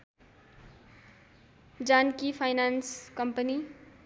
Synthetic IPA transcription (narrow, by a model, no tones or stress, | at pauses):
d͡zankipʰajnanskʌmpəni